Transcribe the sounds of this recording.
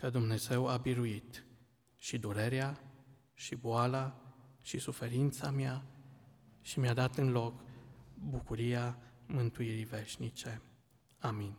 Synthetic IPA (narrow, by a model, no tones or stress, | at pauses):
kəd̪umne̞ze̞wabiɾuit̪ | ʃid̪uɾe̞ɾea | ʃiboalaʃisufe̞ɾint̪samea | ʃimjad̪at̪ɨnlo̞kbukuɾiamɨnt̪uiɾive̞ʃnit͡ʃe̞ | amin